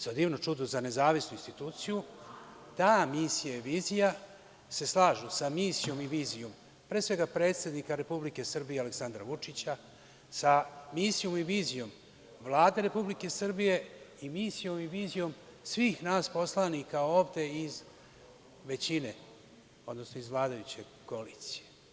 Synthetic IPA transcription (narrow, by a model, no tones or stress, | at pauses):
sod̪iːʋnot͡ʃud̪ozane̞zaːʋisnuinst̪it̪uːt̪siju | t̪aːmiːsijaiʋiːzija | se̞slˠaːʒusamiːsijo̞miʋiːzijo̞m | pɾeːsʋe̞ɡapɾe̞ːt̪se̞d̪nikaɾe̞publike̞sr̩bijeale̞ksand̪ɾaʋut͡ʂit͡ɕa | samiːsijo̞miʋiːzijo̞m | ʋlˠaːd̪e̞ɾe̞publike̞sr̩bije̞imiːsijo̞miʋiːzijo̞m | sʋiːxnaːspo̞slˠanikaoːvd̪e̞iz | ʋe̞t͡ɕine̞ | o̞d̪no̞snoizvlˠaːd̪ajut͡ɕe̞ | koliːt̪sije̞